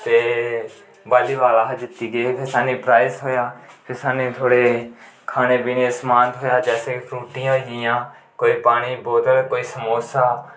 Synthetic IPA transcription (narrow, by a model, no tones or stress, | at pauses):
t̪eː | baːliːʋaːlaːɦd͡ʒɪt̪ːiːɡeːpʰɪɾsaːnĩːpɾaːɪsɦoːjaːpʰɪɾsaːnĩːt̪ʰoːɽeːkʰaːñeːbiːnẽːsmaːnt̪ɦoːjaːd͡ʒɛːseːkpʰɾuːʈɪjãːɦoiɪjãː | koːiːpaːɽ̃iːboːt̪əlkoːiːsəmoːsaː